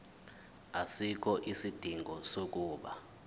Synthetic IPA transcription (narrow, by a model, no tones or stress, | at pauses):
asik̬ɔʔisid̥ʱiŋʱɔsok̬uːɓa